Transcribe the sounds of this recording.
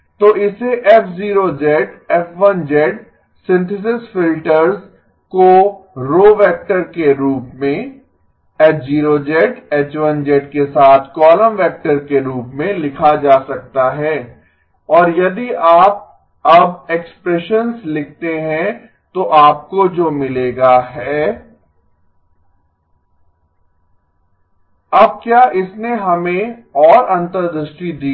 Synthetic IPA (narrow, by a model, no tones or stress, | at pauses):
t̪oːʔɪseʔɛpʰziːɾod͡ʒɛʈɛfʋɐ̃nd͡ʒɛʈ | sɪ̃nt̪ʰɪs̬ɪsfɪlʈəɾz | koɾoːʋɛːk̚ʈəɾkeɾuːpmẽ | ɛd͡ʒiːɾod͡ʒɛʈɛːt͡ʃʋə̃nd͡ʒɛːʈkesaːt̪ʰkɔːlə̃mʋɛːk̚ʈəɾkeɾuːpmẽlɪkʰad͡ʒaːsɐk̚t̪aɦɛː | ɔːɾjɐd̪iʔaːp̚ | ɐbekspɾɛːʃənslɪkʰt̪eɦɛ̃ | t̪oʔaːp̚kod͡ʒoːmɪleːɡaɦɛː | ɐb̚kjaːʔɪsneɦɐmẽɔːɾɐ̃nt̪əɾd̪əʃʈid̪iː